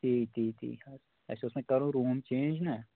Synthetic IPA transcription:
t̪iːt̪ʰiːt̪ʰḭːa | ɛ̰ːseʊsmẽkɐɾõɾuːmt͡ʃẽːnd͡ʒnaː

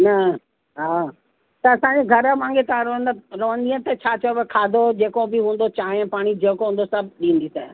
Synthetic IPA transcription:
nɐ | ɦaː | t̪ɐɐsãɲd͡ʑeɡʱɐɾmãːŋɡet̪ɐãɾɐʋə̃nd̪ɾɐʋə̃nd̪iə̃t̪ɐt͡ɕʰaːt͡ɕɐjobekʰaːd̪ʱod͡ʑeːkobɪɦũːnd̪ot͡ɕaːɦẽpaːɽ̃id͡ʑeːkoɦũnd̪osɐbɗĩːn̆d̪isɛː

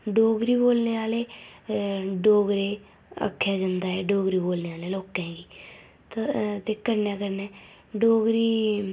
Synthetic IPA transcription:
ɖoːɡɾiːboːlneːaːleː | ɖoːɡɾeː | ə̰kʰːjaːd͡ʒənd̪aːɛːɖoːɡɾiːboːlneːaːleːloːkɛ̃ːɡiː | t̪t̪eːkəɾnɛ̃ːkəɾnɛ̃ː | ɖoːɡɾiː

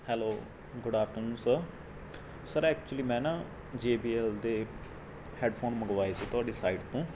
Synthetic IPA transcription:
hɛloː | ɡʊɖaːfʈəɾnũːnsəɾ | səɾɛːk̚t͡ʃʊliːmɛ̃ːnaː | d͡ʒeːbiːɛːld̪eː | hɛːɖpʰoːnməɡʋaːeːsiːt̪ʊaːɖiːsaːiːɖt̪ũː

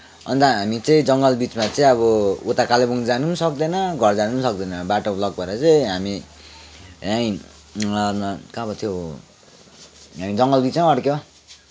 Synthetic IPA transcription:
ʌ̰nt̪aɦamit͡sʌĩd͡zʌŋɡʌlbit͡smat͡sʌĩʌβʌot̪akalebuŋd͡zanusʌk̚d̪ʌnʌɡʱʌrd͡zanunsʌk̚d̪ʌnʌbaʈoplʌɡ̚pʌɾʌt͡sʌĩɦami | aĩ | kabʌt̪ʰjo | ɦamid͡zʌŋɡʌlbit͡sʌ̃ʌɽkjo

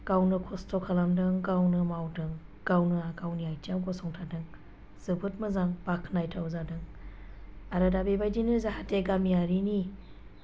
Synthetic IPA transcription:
ɡ̥awnɯkʰɔstʰɔkʰalamdɯŋɡawnɯmawdɯŋ | ɡ̥awnɯakawnijajtiawɡɔsɔŋtʰadɯŋ | z̥ɯbɯtmɯzaŋbakʰnajtʰawzadɯŋ | aɾɯdabebajdinɯzaɦateɡamijaɾini

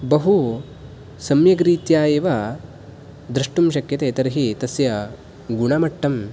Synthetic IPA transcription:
bɐɦu | sɐmjɐɡɾiːt̪jaːjeːʋa | d̪ɾɐʂʈumʃɐkjɐt̪eːt̪ɐɾɦit̪ɐsjɐ | ɡuɳaːmɐʈʰːɐm

